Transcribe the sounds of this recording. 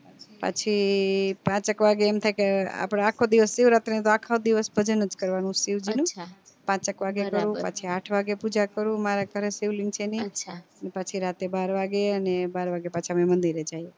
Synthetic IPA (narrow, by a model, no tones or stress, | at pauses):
pa̰t͡ʃʰipãt͡ʃəkʋaɡeːmt̪ʰajkea̰pɽ̃aakʰod̪iʋəsːiʋɾat̪enet̪oakʰaod̪iʋəsbʱəd͡ʒənəd͡ʒkəɾʋanũsiʋd͡ʒinũ | pãt͡ʃəkʋaɡekəɾũpa̰t͡ʃʰiaʈʰʋaɡepud͡ʒakəɾũmaɾaɡəɾesiʋliŋɡt͡ʃʰeniənepat͡ʃʰiɾat̪ebaɾʋaɡeənebaɾʋaɡepat͡ʃʰamemənd̪iɾed͡ʒaje